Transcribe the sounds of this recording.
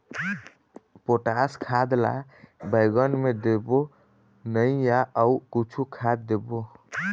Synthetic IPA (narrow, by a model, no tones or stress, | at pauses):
poʈaskʰad̪la̰ | bəɪɡənmed̪ebo | nəijaʔəukit͡ʃʰukʰad̪ːebo